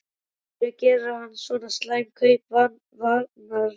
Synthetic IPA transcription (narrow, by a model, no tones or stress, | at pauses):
vɛɣcɛːɾaanːsvɔːnast̪laːjmkʰœjpva | vanaɾ